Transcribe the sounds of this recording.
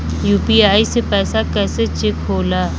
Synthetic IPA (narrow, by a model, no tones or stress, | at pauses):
juːpiaːisepɛːsakɛːset͡ʃekɦoːlaː